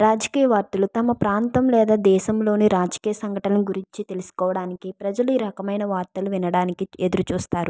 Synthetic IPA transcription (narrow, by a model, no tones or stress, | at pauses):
ɾaːd͡ʒɐkiːjɐʋaːɾt̪ɐlut̪ɐmɐpɾaːnt̪ɐmlɛːd̪aːd̪ɛːʃɐmlo̞ːniɾaːd͡ʒɐkiːjɐsɐŋɡʱɐʈɐnɐnuɡuɾiɲt͡ʃit̪e̞lusu̥kɔːʋɐɽaːnikipɾɐd͡ʒɐluiːɾɐkɐmɐjnɐʋaːɾt̪ɐluʋinɐɽaːnikied̪uɾut͡ʃuːst̪aːɾu